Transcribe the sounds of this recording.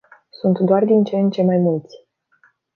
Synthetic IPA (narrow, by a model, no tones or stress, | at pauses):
sunt̪d̪oard̪int͡ʃent͡ʃe̞majmult̪sʲ